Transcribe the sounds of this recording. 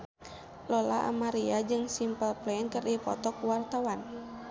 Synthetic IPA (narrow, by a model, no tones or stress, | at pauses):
lɔla̰ʔa̰maɾiad͡ʒɨŋsimpəlplɛnkərdipɔ̰t̪ɔkuwart̪awan